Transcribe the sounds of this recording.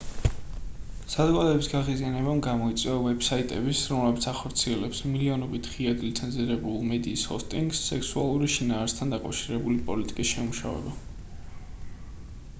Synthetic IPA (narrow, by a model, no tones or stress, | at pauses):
sad̪ɡad̪ɛbisɡaʁizianɛbamɡamɔit̪sʼɛɔvɛb̥sait̪ʼɛbisɾɔmlɛbit̪sʰaχɔɾt̪sʰiɛlɛpsmiliɔnɔbit̪ʰʁiad̪lit̪sʰɛnziɾɛbulˠmɛd̪iːshɔ̰st̪ʼiŋɡsːɛksua̰lˠuɾiʃinaːɾst̪ʰand̪akʼa̰vʃiɾɛbulipʼɔlit̪ʼikʼisʃɛmuʃa̰vɛ̰ba